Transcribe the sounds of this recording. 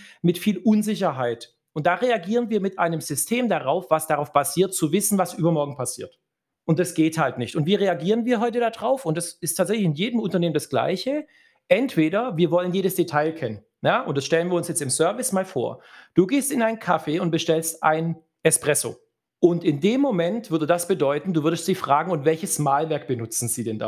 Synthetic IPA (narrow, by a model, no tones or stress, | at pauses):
mɪtfiːlʔʊnzɪçɐɦaɪt | ʔʊnt̚d̥aːʁeaɡiːʁənviːɐmɪtʔa̰ɪnəmzʏstʰeːmdaʁaʊfv̥asd̥aʁaʊfb̥asiːɐt̚t͡suvɪsn̩vasʔyːbɐmɔɐɡŋ̩pʰasiːɐt | ʔʊnt̚d̥asɡ̥eːthaltnɪçtʊntv̥iːʁeaɡiːʁ̞ənviːɐɦɔʏtədadʁaʊfʊntd̥asɪstʰːaːtzɛçlɪçɪnjeːdəmʊntɐneːmənd̥asɡ̥la̰ɪçə | ʔɛntv̥eːɾɐviːɐvɔlənjeːɾəsd̥etʰaɪlkʰɛnən | jaːʔʊ̰nt̚d̥asʃtɛlənviːɐʊnsjɛt͡stɪmsœɐvɪsmaːlfo̰ːɐd̥uːɡeːstɪnaɪnkʰafeːʊnt̚b̥əʃtɛlstʔa̰ɪn | ʔɛspʁ̥ɛso̰ː | ʔʊntɪndeːmːomɛntv̥ʏɐdədasb̥ədɔʏtn̩duːvʏɐdəstz̥iːfʁ̥aːɡŋ̩ʊntvɛlçəsmaːlvɛɐk̚b̥ənʊt͡sn̩ziːdɛnda̰